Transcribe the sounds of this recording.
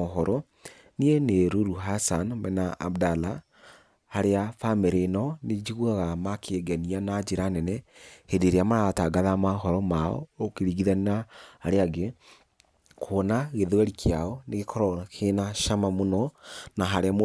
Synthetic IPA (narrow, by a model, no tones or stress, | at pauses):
ɔɦɔɾɔ | nieneɾoɾuɦasanmɛna̰ːbdala | haɾeafameɾenɔned͡ʒiɣuaɣamakʰeːɡɛnianad͡ʒeɾanɛnɛhedeɾeamaɾataːɡaðamaɦɔɾɔmaɔ̰okeɾiɣiðanahaɾeaɡe | kʰoːnaɣeðwɛɾikʰeaɔneɣekʰɔɾɔkʰenaʃamamonɔnaɦaɾeam